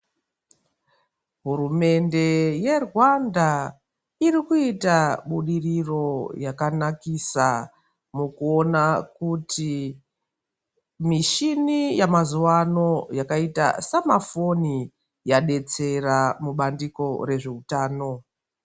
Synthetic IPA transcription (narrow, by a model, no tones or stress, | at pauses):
ɦurume̞nde̞je̞rwanda | iɾikuitaɓuɗiriro̞jakanakisa | mukuo̞nakutʰi | miʃinijamazuwano̞jakaita̰samafo̞ni | jaɗe̞t͡se̞ramuɓandiko̞re̞ʐe̞utaːno̞